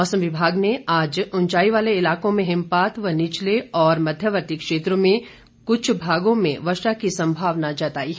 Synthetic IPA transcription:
mɔːsəmʋɪbʱaːɡneaːd͡ʒʊnt͡ʃaːiʋaːleɪlaːkõmẽɦɪ̃mpaːt̪ʋənɪt͡ʃleɔːɾmɐd̪ʱjəʋəɾt̪ikʃeːt̪ɾomẽ | kʊt͡ʃʰbʱaːɡõmḛ̃ʋɐʃʈakisɐ̃mbʱaːʋnad͡ʒɐt̪aːi

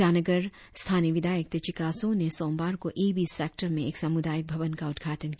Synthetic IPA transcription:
aːnəɡəɾ | st̪ʰaːnijəʋɪd̪ʱaːjək̚t̪et͡ʃɪkaːsõnesɔ̃ːmbaːɾkoʔeːbiseːk̚ʈəɾmẽeːksɐmʊd̪aːjək̚bʱɐʋənkaʊd̪ɡʱaːʈənk

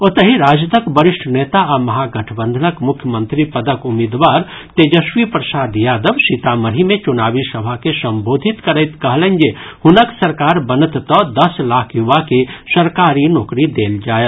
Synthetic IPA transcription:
ot̪əɦiɾaːd͡ʒt̪əkbəɾɪʃʈʰneːt̪aamɐɦaɡɐʈʰbə̃nd̪ʱənəkmʊkʰjəmə̃nt̪ɾipɐd̪əkʊmid̪ʋaːɾ | t̪eːd͡ʒəʃʋipɾɐsaːd̪jaːd̪əʋʃit̪aməɾimẽt͡ʃʊnaːʋisɐbʱakesɐ̃mboːd̪ʱɪt̪kɐɾəɪt̪kɐɦlẽnd͡ʒehʊnəksɐɾkaːɾbɐnət̪t̪ɔːd̪ɐslaːkʰjʊʋakesɐɾkaːɾinɔːkɾid̪eːld͡ʒaːjet̪

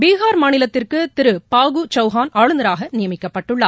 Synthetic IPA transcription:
biːɣaːɾmaːnɪlɐt̪ːɪrkɯt̪ɪɾɯpaːɣut͡ʃɐʊɣaːnaːɻɯnɐɾaːɣɐnɪjɐmɪkːɐpːɐʈːɯɭːa̰ː

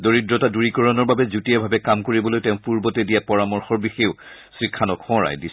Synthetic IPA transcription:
doɹidɹɔtaduɹikɔɹɔnɔɹbabɛzutijabʱabɛkamkoɹibɔlojtɛʊ̃puɹbɔtɛdijapɔɹamɔɹxɔɹbixeʊsɹikʰːanɔkxɔ̃ɹa̰jdi

